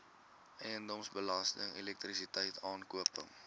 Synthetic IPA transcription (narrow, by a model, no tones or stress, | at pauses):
ʔɛjəndɔmsbəlɐstəŋilɛk̚trisitɛjtʰɑːnkuəpə̰ŋ